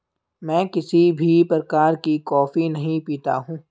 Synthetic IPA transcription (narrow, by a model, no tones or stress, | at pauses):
mɛ̃ːkɪsibʱipɾəkaːɾkikɔːfinɐɦĩpiːt̪a̰ɦũː